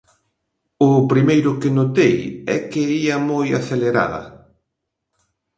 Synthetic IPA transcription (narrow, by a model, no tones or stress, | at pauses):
ʊpɾimejɾʊkɪnot̪ejɛ̰kɪiɐmojaθeleɾa̰ðɐ̰